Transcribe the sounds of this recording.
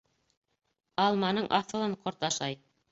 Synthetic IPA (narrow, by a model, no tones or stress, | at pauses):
ɑlˠmɑnɤɴʔɑθɤ̆lˠɤɴqʰŏɾt̪ɑʃɑj